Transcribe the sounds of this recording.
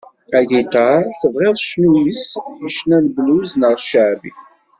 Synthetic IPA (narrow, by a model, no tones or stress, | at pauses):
æðit̪ɑθəvʁeðˤʃnujisiʃnænbluznəʁʃəʕbḭ